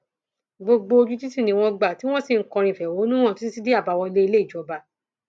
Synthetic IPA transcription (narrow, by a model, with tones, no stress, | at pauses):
ɡ͡bo˧ɡ͡bo˧o˧d͡ʒu˦ti˦si˦˨nĩ˧w̃ɔ̃˧ɡ͡ba˨ti˦w̃ɔ̃˦si˦˨ŋ̩˦kɔ̃˧ɾ̃ĩ˧˨fɛ˨wo˨˦nũ˦ɔ̃˦˨ti˦i˦si˦de˦a˦˨ba˧wɔ˧i˧le˦i˧le˦i˦˨d͡ʒɔ˨ba˧